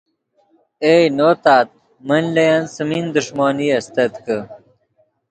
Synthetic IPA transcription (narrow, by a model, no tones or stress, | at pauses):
eːjnoːt̪aːt̪̚ | mənlɐjansɐmind̪uʂmoːniɐst̪ɐt̪kə